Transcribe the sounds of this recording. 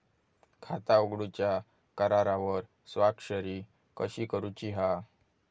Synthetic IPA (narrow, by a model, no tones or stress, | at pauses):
kʰat̪aoɡɽut͡ɕja | kəɾaɾaʋəɾ | sʋakɕəɾi | kəɕiːkəɾut͡ɕiɦa